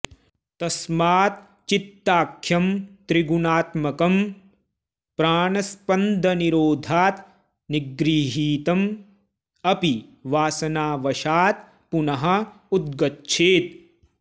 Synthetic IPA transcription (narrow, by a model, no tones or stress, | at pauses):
t̪ɐsmaːt̪ | t͡ʃit̪ːaːkʰjɐmt̪ɾiɡunaːt̪mɐkɐm | pɾaːnɐspɐnd̪ʱɐniɾoːd̪ʱaːt̪ | niɡɾiːɦiːt̪ɐm | ɐpiʋaːsɐnaːʋɐʃaːt̪ | punɐɦɐ̆ | ud̪̚ɡɐtːʃʰeːt̪̚